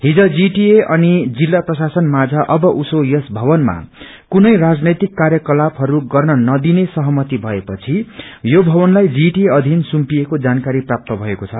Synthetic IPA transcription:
ɦid͡zʌd͡ziʈieʔʌnid͡zilːaprʌsasʌnmad͡zʱaʔʌbʌʔusojesbʱʌβʌnma̰ | kunʌjrad͡znʌjt̪ikːarjʌkʌlapʰɦʌɾuɡʌrnʌnʌd̪inesʌɦʌmʌt̪ibʱʌepʌt͡sʰijobʱʌbʌnlajd͡ziʈieʌd̪ʱinsumpijekod͡zankaɾiprap̚t̪ʌbʱʌekot͡sʰʌ

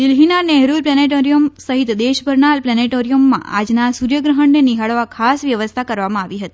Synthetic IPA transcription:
d̪ilɦinanɛɦɾulplɛneʈoɾijəmsəɦit̪d̪eʃbʱəɾnalplɛneʈoɾijəmːã̰ʔa̰d͡ʒnasuɾjəɡɾəɦəɳːeniɦaɭʋakʰasʋjəʋəst̪ʰakəɾʋamãaʋiɦət̪i̥

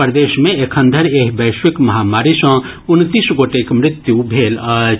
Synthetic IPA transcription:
pəɾd̪eːʃmẽekʰə̃nd̪ʱəɾeɦbəɪʃʋikmɐɦamaɾisə̃ | ʊnt̪iːsɡoʈekmɾɪt̪jubʱeːlə

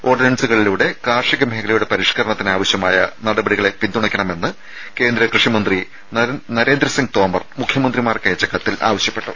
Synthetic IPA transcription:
o̞ːrɖinɐnsuɣɐɭiluːɽe̞kaːrʂɐɣɐmeːkɐlɐjuɽepɐɾiʂkɐɾɐɳɐt̪ːinaːʋɐɕjɐmaːjɐ̰nɐɽɐbɐɽiɣɐɭe̞pint̪uɳɐkʲːɐɳɐme̞nːɨ | ke̞ːnd̪ɾɐkrɨʂimɐnd̪ri | nɐɾe̞ːnd̪ɾɐsiŋɡ̚t̪o̞ːmɐrmukʰjɐmɐnd̪rimaːrkɐjɐt͡ɕːɐkːɐt̪ːila̰ːʋɐɕjɐpːe̞ʈːu

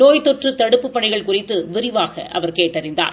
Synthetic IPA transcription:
noːjt̪ɔʈrɯt̪ɐɽɯpːɯpːɐɳɪɣɐɭkʊrɪt̪ːɯʋɪrɪʋaːɣɐ̰ʔɐʋɐɾkeːʈːɐɾɪnd̪a̰ːɾ

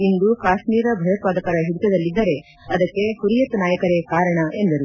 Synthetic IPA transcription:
ind̪ukaːʃmiːɾɐbʱɐjɐt̪ʋaːd̪ɐkɐɾɐɦiɡt̪ɐd̪ɐlːid̪ːɐɾe̞ | ɐd̪ɐkːe̞kuɾijɐt̪ːɐnaːjɐkɐɾekaːɾɐɳɐend̪ɐɾu

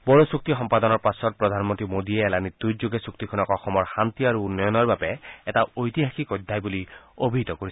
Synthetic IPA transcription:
bɔɹosuk̚t̪ixɔmpad̪ɔnɔɹpasɔt̚pɹɔd̪ʱanmont̪ɹimod̪ieːlanid̪ujd͡ʒoɡesuk̚t̪ikʰɔnɔkɔxɔmɔɹxant̪iaɹuːnːɔjɔnɔɹbabɛɛtaojt̪iɦaxʰikɔd̪ʱajbuliobʱiɦit̪ɔkoɹis

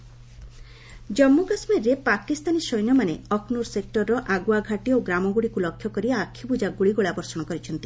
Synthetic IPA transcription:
d͡ʒɔmːuɡasmeɾːepakist̪anisɔjnɔmaneɔknuɾsek̚ʈɔɾːɔʔaɡuaɡʱaʈioɡɾamɔɡuɽikulɔkʰːjɔkɔɾiaːkʰːibud͡ʒaɡuɭiɡuɭabɔɾsɔɽ̃ɔkɔɾit͡ʃʰɔnt̪i

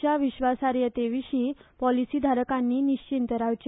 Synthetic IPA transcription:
jaʋiɕʋasaɾjət̪eʋiɕiːpɔlisiːd̪ʱaɾəkanːiːniɕt͡ɕint̪əɾaʋt͡ɕ

